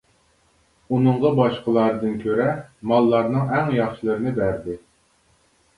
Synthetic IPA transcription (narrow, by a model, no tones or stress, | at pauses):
unɨɴʁɑbɑʃqəlˠɑɾɨd̪ɨnkʲʰøɾɛmɑlˠːɑɾnɨŋɛŋjɑχʃilˠɨɾɨnɪbæɾd̪ɪ